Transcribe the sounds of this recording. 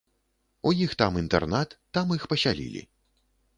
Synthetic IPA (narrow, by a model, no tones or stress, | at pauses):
ujixt̪amint̪ɛ̰rnat̪ːamixpɐsʲalʲḭlʲḭ